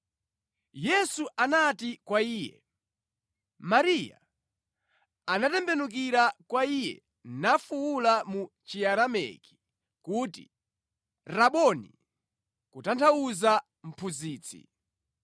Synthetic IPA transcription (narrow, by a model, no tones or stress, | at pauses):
jɛsuʔanatikwaiːjɛ̰ | maɾija̰ | anatɛmbɛnuk̬iɾakwaijɛ̰ | nafuwulamu | t͡ʃiaɾamɛ̰ki̥ | kuːtḭ | ɾaɓɔnḭ | kutantʰauza | m̩pʰuziːt͡sʰḭ